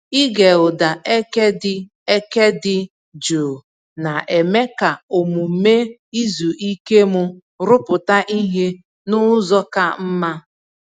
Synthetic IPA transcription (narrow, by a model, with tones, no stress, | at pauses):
i˦ɡe˨ʊ˨da˨ʔe˦ke˦dɪ˦ | e˦ke˦dɪ˦ | d͡ʒo˨ | na˨ʔe˨me˦ka˨o˨mu˨me˦i˦zu˨ʔi˦ke˦mʊ˦ | ɾʊ˦pʊ˨ta˦ʔi˦ɦe˦ | nʊ˦zɔ˦ka˦m̩˦ma˦